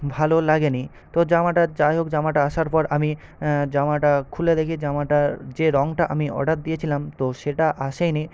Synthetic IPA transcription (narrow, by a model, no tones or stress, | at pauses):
bʱalolaɡeni | t̪od͡ʑamaʈad͡ʑaeɦok̚d͡ʑamaʈaaʃaɾpɔɾami | d͡ʑamaʈakʰuled̪ekʰid͡ʑamaʈaɾd͡ʑeɾɔŋʈaʔamiɔ̰ɖat̪̚d̪ijet͡ɕʰilamt̪oʃeʈaʔaʃejni